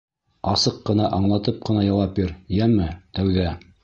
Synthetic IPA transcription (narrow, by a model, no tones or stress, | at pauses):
ɑsɤqːɤ̆nɑʔɑɴlˠɑt̪ɤp̚qɤ̆nɑjɑwɑp̚biɾjæmɘt̪æwðæ